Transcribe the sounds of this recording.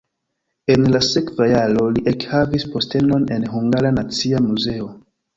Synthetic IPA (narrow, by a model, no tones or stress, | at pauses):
e̞nlase̞kvajaɾo̞liʔekhavispo̞ste̞no̞ne̞nɦuŋɡaɾanat͡siamuze̞o̞